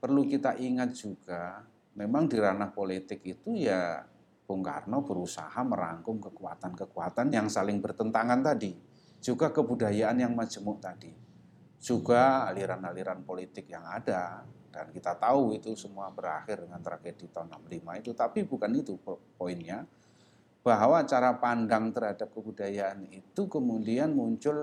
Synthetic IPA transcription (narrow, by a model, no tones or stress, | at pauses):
pərlukit̪aʔiŋat̪̚d͡ʒuɡ̥a | memaŋdiɾanahpolit̪ɪkit̪uja | b̥ʊŋka̰rnobəɾusa̰haməɾa̰ŋkʊmkəkua̰t̪ankəkuat̪anjaŋsalɪŋbərt̪ənt̪aŋant̪adi | d͡ʒ̥uɡakəbudajaʔanjaŋmad͡ʒəmʊʔt̪adi | d͡ʒ̥uɡaːliɾanaliɾanpolit̪ɪk̚jaŋadad̥a̰nkit̪at̪auit̪usəmuabəɾa̰xɪrdəŋant̪ɾaɡed̥it̪anːa̰mlimait̪ut̪apibukanit̪upoɪnɲa | b̥aɦwat͡ʃaɾapandaŋt̪ərɦadap̚kəbudajaanit̪ukəmudianmuɲt͡ʃʊl